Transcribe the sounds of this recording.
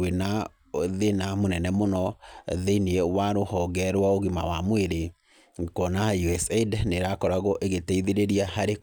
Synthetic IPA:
ena | ðenamonɛnɛmonɔðeiniɛwaɾohɔɡɛɾwaoɣima̰wamweɾe | kɔnajuɛsɛdneɾakɔɾaɣɔʔeɣeteiðeɾeɾiahaɾe

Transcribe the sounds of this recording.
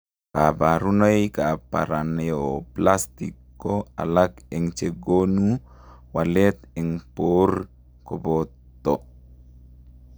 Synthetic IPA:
kabaɾunojkapa̰ɾanɛoplast̪ikːoa̰lakɛŋt͡ʃeɡonu | walɛt̪ɛŋpor | kobɔ | t̪ːɔ

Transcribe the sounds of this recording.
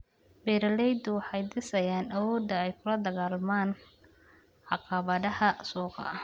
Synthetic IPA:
bɛːɾɐlɛjd̪ʊwɑħɑjd̪ɪsɐjaːnɐwɔːd̪ɐɛjkʰʊlɐd̪ɐɣaːlmaːn | ħɑqɑβɐðɐhɐsuːqɑ̰

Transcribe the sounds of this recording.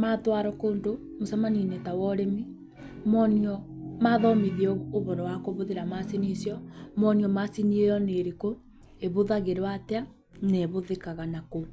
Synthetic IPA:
matwaɾɔkoːndo | mosamaninetawɔɾemi | mɔniɔmaðɔmiðiɛoβɔɾɔwakoβoðeɾamasinisjɔmɔniɔmasiniejɔneɾeko | eβoðaɣeɾowatea | neβoðekaɣanako

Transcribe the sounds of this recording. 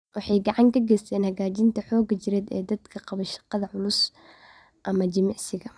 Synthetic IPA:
wɑħɑjɡɑʕɑŋkʰɐɡɛːst̪ʰɛːnhɐɣaːt͡ʃɪnt̪ʰɐħɔːɡɐt͡ʃɪɾɛːd̪ɛ̰ːd̪ɐd̪kʰɐqɑβɐʃɑ̥qɑðɐʕʊlʊs | ʔɐmɐd͡ʒɪmɑʕsɪɣɐ

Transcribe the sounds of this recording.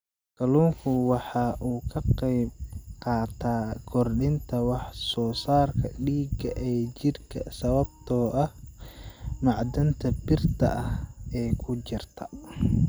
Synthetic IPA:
kɐluːŋkʰʊwɑħɑːʔuːkʰɐqɛjb̚qɑːt̪ʰaːkʰɔrɗɪnt̪ʰɐwɑħsɔːsaːrkʰɐ̰ɖiːɡɐʔɛːt͡ʃɪrkʰɐsɐβɐb̚t̪ʰɔːʔɐh | mɑʕd̪ɐnt̪ʰɐbɪrt̪ʰɐ̰ʔɐhɛːkʰʊt͡ʃɪrt̪ʰɐ̥

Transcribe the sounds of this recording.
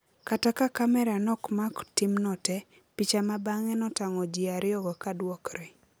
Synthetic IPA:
katakakamɛɾanɔkmaktimnɔtɛ | pit͡ʃamabaŋɛnɔtaŋɔd͡ʒiaɾɪɔɡɔkadwɔkɾɛ

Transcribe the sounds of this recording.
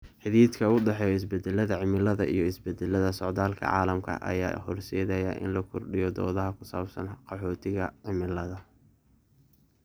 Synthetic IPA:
ħɪðiːd̪kʰɐʊɖɑħɛːjɔɪs̬bɛd̪ɛlɐðɐʕɪmɪlɐðɐʔijɞɪsbɛd̪ɛlːɐðɐsɔʕd̪aːlkʰɐ̰ʕɑ̰ːlɐmkʰɐ̰ʔɐ̰ja̰ːhɔrsɛːðɛjɐʔɪ̰nlɐkʰɔrɖɪjɔd̪ɔ̰ːðɐɦɐkʰʊsaːbsɐnqɑħɔːt̪ʰɪɣɐʕɪmɪlɐðɐ

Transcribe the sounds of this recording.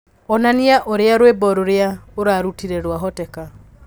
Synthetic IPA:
ɔnaniaʔoɾeaɾwebɔɾoɾeaoɾaɾutiɾeɾwaɦɔtɛka

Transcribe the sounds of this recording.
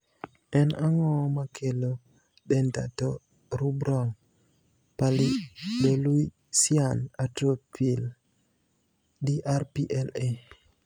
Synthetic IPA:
ɛnaŋɔmakʰelo | ɗɛnta̰tɔ | ɾubɾɔŋ | palibelwi | sianatɾopil | diʔarpiʔɛle

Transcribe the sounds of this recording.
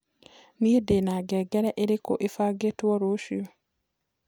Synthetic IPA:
niedenaɡɛːɡɛɾɛʔeɾeko̰ʔefaːɡetwɔɾoʃio

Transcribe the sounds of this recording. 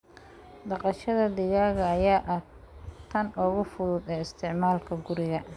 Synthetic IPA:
d̪ɑqɑʃɐðɐd̪ɪɣaːɣɐːjaːʔɐ | t̪ʰɐnɔːɣʊfʊðʊd̪ɛːɪst̪ʰɪʕmaːlkʰɐɡʊɾɪɣɐ

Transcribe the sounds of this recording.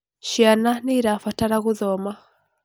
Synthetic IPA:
ʃiananiɾafataɾaɣuðɔma

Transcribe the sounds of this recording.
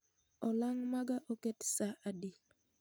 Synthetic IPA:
ɔlaŋmaɡaʔoketsaʔadi

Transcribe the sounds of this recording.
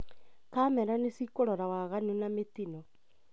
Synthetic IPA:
kamɛɾanesikoɾɔɾawaɣanunametinɔ

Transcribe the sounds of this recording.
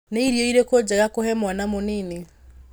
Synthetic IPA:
neiɾjɔiɾekod͡ʑaɣakohɛmwanamonene

